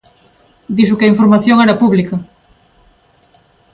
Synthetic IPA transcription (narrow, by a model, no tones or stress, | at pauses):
d̪isʊkɐiɱfoɾmaθjoŋɛɾɐpuβlikɐ